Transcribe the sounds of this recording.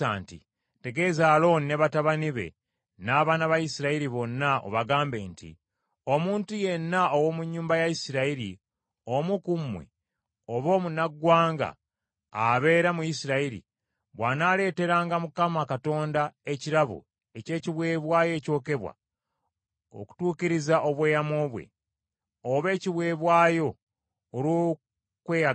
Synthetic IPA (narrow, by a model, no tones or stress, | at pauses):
aːntḭ | te̞ɡe̞zaːlo̞ːnine̞βataβaniβe̞̰ | naːβaːnaβajisiɾaiɾiβo̞nːaʔo̰βaɡaːmbe̞ːntḭ | o̞muːntuje̞nːaowo̞muɲːuːmbajaisiɾaiɾi | omukumwḛ | oβo̞ːmunaɡːwaːŋɡa̰ː | βe̞ːɾamujisiɾaiɾḭ | βwaːnale̞ːte̞ɾaːŋɡamukamakato̞ːndae̞ciɾaβṵ | ece̞ːciβwe̞ːβwaːjo̞ːco̞ːke̞βwa̰ | o̰ku̥tuːciɾizaʔo̞βwe̞ːjamo̞ːβwḛ | oβe̞ːciβwe̞ːβwaːjo̞ː | ɾu | kweːja